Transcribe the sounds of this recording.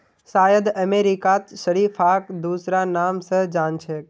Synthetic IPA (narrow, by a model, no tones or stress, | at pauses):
saːjəd̪əmeɾikat̪səɽifʰaːkd̪uːsɾanaːmsəɦd͡ʒaːnt͡ʃʰe